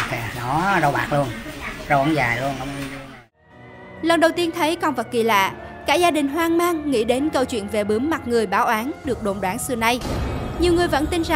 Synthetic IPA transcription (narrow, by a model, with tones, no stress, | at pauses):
a˨˩nɔ˨˦zə˧wɓa̰ː˨˩k̚lu˧ənzə˧wʔə̰˧˥nzaː˨˩jlu˧ənʔə˧wŋ͡m | lə˨˩nɗə˨˩wt̪i˧ənt̪ʰə˨˦jkɔ˧nvə˨˩t̚ki˨˩la̰ː˧˨kaː˦˥k̚zaː˧ɗï˨˩ŋ̟ɦwaː˧ŋmaː˧ŋːḭ˧˥ɗe˨˦nkə˧wt͡ɕwḭ˧˨ənve˨˩ɓɨ˨˦əmma˨˩t̚ŋɨ˨˩əjɓaː˨˦wʔaː˨˦nɗɨ˨˩ək̚ɗo̰˧˨nɗwaː˨˦ŋsɨ˨˩əna˧jɲi˨˩əwŋɨ˨˩əjvə̰˧˥nt̪i˧nza˨